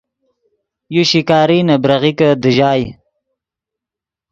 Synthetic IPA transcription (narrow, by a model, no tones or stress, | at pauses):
juɕikɑːɾinabɾaɣikəd̪əʒɑːj